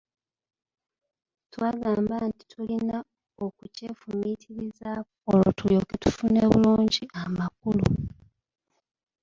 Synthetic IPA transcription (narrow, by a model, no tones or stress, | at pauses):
twaːɡaːmbanti̥tʰulina | okuce̞ːfumitʰiɾiza | olo̰tuljo̞ketu̥funeːβṵluːɲɟiamakulṵ